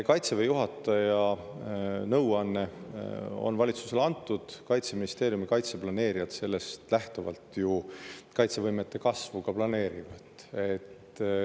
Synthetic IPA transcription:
kɑjt̪sevejuɦɑt̪ːˑɑjɑ | nɤwɑnːe̞ | o̞̰nvɑlʲit̪su̥se̞lɑnt̪ːˑud̪̥kɑjt̪se̞minist̪e̞ːɾjumikɑjt̪se̞plɑne̞ːɾijɑt̪se̞lːe̞st̪læht̪ovɑ̰lt̪jukɑjt̪se̞vɤjmet̪ːe̞kɑsvukɑplɑne̞ːɾivɑd̪̥e̞t̪ː

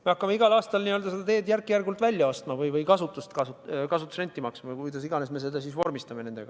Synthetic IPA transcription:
me̞ɑkːɑmeiɡ̥ɑlɑːst̪ɑlniøld̪ɑsed̪ɑt̪e̞ːd̪jærkːˑijærɡult̪vælʲjɑost̪mɑvɯjvɯjkɑsut̪ːˑust̪kɑskɑsut̪u̥sre̞nʲt̪ːˑimɑksmɑkujd̪ɑsiɡ̥ɑne̞sme̞se̞d̪̥ɑsisvo̞rmist̪ɑme̞ne̞nd̪e̞ɡ̥ɑ

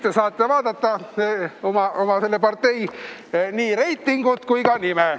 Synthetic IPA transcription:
t̪ːesɑːt̪ːevɑːd̪̥ɑt̪ːɑeomɑʔomɑse̞lːepɑrt̪ːe̞j | niːɾe̞jt̪ːˑiŋɡ̥ut̪kujkɑnime

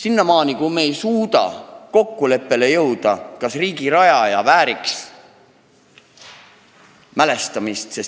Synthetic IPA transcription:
sinːɑmɑːnikumeːjsuːd̪̥ɑ̰ko̞kːule̞pːe̞le̞jɤwd̪̥ɑkɑsriːɡiɾɑjɑjɑvæːɾiks | mæle̞st̪ɑmist̪se̞s

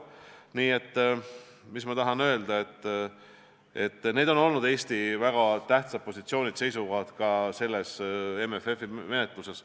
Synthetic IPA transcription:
niːe̞t̪ː | mismɑt̪ɑɦɑnø̞ːld̪̥ɑe̞t̪ː | e̞t̪ˑːne̞ːd̪o̞no̞lnud̪e̞ːst̪ivæɡ̥ɑt̪æht̪sɑt̪̚po̞sʲit̪sio̞ːnʲid̪̥se̞jsuvɑd̪̥kɑse̞lːesemefe̞fime̞net̪ˑluse̞s

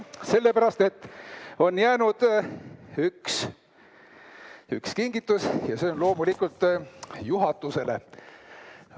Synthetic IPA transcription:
se̞lːe̞pæɾɑst̪e̞t̪ːo̞njæːnud̪̥ | yks | y̰kskiŋɡ̥it̪ːˑusjɑse̞onlo̞ːmulikult̪ːˑjuɦɑt̪ːˑuse̞le

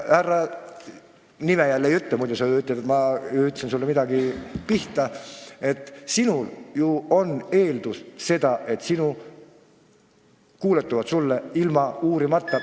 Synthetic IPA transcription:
hærːɑ | nimejælːejyt̪ːˑemujd̪esɑyt̪ːˑɑd̪et̪mɑyt̪ːsinsulːemid̪ɑɡipiht̪ɑe̞t̪ːsinuljuo̞ne̞ːld̪̥usse̞d̪̥ɑʔe̞t̪ːsinu | kuːlet̪ːˑuvɑt̪sulːeilmɑuːɾimɑt̪ːˑɑ

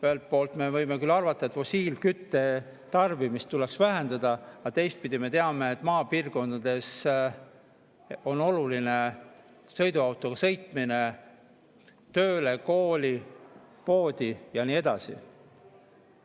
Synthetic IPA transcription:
pøelt̪̚po̞ːlt̪me̞vɤjmekylːɑrvɑt̪ˑːɑet̪fo̞siːlkyt̪ːe̞ | t̪ɑrvimist̪uleksvæɦend̪̥ɑd̪̥ɑɑt̪e̞jst̪̚pid̪̥ʲime̞t̪e̞ɑmeet̪ːˑmɑːpiːrko̞nd̪ɑd̪̥e̞s | o̞no̞luline | sɤ̞jd̪uɑwt̪ːˑoɡ̥ɑsɤ̞jt̪ˑmine̞ | t̪øːle̞ko̞ːli | po̞ːd̪̥ijɑniːe̞d̪̥ɑsḭ

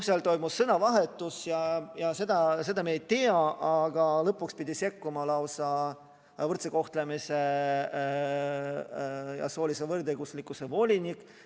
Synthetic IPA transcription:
selt̪o̞jmusːɤnɑvɑɦe̞t̪ːˑusjɑjɑse̞d̪̥ɑse̞d̪ɑmejt̪eɑʔɑɡ̥ɑlɤpːukspid̪̥ʲise̞kːumɑlɑwsɑ | vɤrt̪seko̞ht̪lemise̞ | jɑ̰so̞ːlʲisevɤrd̪eɡ̥uslikːˑuse̞vo̞lʲinikːˑ

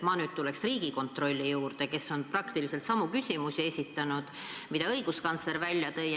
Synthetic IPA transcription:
mɑːnyːdt̪̚t̪uleksriːɡ̥iko̞nt̪ro̞lʲːijuːrd̪̥e̞ke̞sːo̞nprɑkt̪iliselt̪sɑmːukysʲimusie̞sʲit̪ːˑɑnud̪̥ | mid̪ɑɤjɡ̥uskɑnt̪sle̞ɾvælʲjɑt̪ɤj

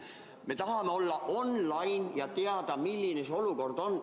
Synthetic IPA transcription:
me̞t̪ɑɦɑme̞o̞lːɑʔo̞nlɑjnjɑt̪e̞ɑd̪ɑmilːineseo̞luko̞rd̪o̞n

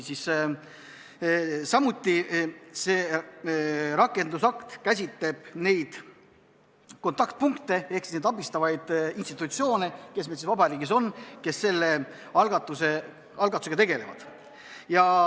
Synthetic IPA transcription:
sis | sɑmut̪ːˑise̞ː | ɾɑkːˑe̞nd̪usɑkt̪kæsʲit̪le̞b̥ne̞jd̪̥ | ko̞nt̪ˑɑkt̪̚puŋkt̪e̞e̞hksi̥sned̪ɑbist̪ɑvɑjd̪̥inst̪it̪ːˑut̪sio̞ːne̞ke̞smesisvɑbɑɾiːɡiso̞nke̞sːe̞lːe | ɑlɡɑt̪ːˑuse | ɑlɡɑt̪ːˑu̥se̥ɑt̪e̞ɡe̞le̞vɑ̰d̪̥ | jɑ

